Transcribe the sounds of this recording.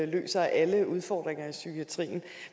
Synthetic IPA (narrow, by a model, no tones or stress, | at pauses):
lø̰ːsɐʔæləuð̞ˠfɒːd̥ʁeŋɐisykʰiæt͡sʰʁḭːn̩